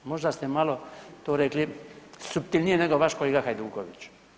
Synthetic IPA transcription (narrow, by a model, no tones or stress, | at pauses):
mo̞ʒd̪ast̪emalot̪oːɾeklisup̚t̪ilʲnijeneɡoʋaʃkoleɡaxajd̪uːkoʋit͡ʃ